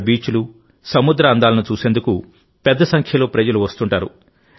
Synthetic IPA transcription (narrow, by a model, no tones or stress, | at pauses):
biːt͡ʃulu | sɐmud̪ɾɐːnd̪aːlɐnut͡ʃuːse̞ːnd̪uku | pɛd̪ːɐsɐŋkʰjɐloːpɾɐd͡ʒɐluʋɐst̪uɳʈaːɾṵ